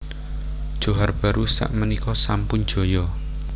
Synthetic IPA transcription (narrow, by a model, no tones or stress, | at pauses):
d̥ʒ̥o̤ɦarb̥a̤ɾusa̰ʔmənikɔsampʊn̥ʒ̥o̤jɔ